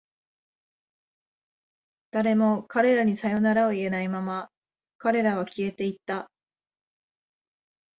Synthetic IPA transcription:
d̪̥aɾe̞mo̞kaɾe̞ɾaɲ̟isajo̞naɾao̞ie̞naimama | kaɾe̞ɾaβ̞akʲie̞t̪e̞it̪ːa

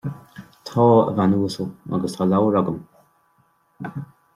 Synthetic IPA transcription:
t̪ʰɔːə̰vanuːsəlˠa̰ɡəst̪ʰɔːlawəɹɔɡəm

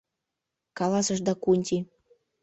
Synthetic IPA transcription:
kɑlˠɑsɤ̆ʃd̪ɑkunʲt̪ʲi

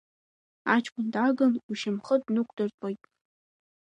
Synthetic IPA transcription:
at͡ʃʰkʷʰʼʊndaɡɨnuʃɪmχədnukʷʰʼd̥ɨrtʼojtʼ

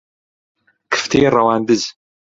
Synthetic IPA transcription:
kʰɨ̥ftʰejɛrawaːndɨz

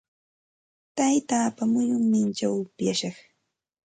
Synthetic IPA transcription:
t̪ajt̪aːpamʊɲʊŋmɪnt͡ʃawʊpjaʃɑχ

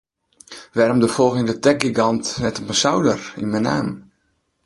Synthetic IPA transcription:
ʋɛrmdəfɔlˠɣɪŋdətɛk̚ɡiɡɑntnɛtɔpənsawdərḭnmənaːm

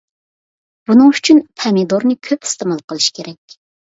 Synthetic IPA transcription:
b̥unɨŋyt͡ʃʰynpʰɛmed̪oɾnɨkʲʰøpi̥st̪ɨmɑlˠqəlˠɨʃkʲʰeɾɛkʲ

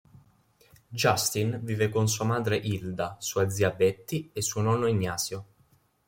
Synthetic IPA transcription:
d͡ʒast̪inviːvekons̬uːamaːd̪ɾeʔild̪asuːad̪ziabɛt̪ːiesːuːonɔnːoiɲːaːsjo

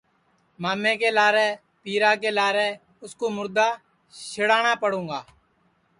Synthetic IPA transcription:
maːmẽːkeːlaːɾɛː | piːɾaːk̬eːlaːɾɛː | ʊskoːmʊɾd̪aː | ʃɪɽaːɳ̃aːpəɽ̤ũːŋɡaː

